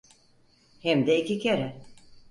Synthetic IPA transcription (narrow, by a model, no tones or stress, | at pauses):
hɛmd̪ɛicicʰeɾɛ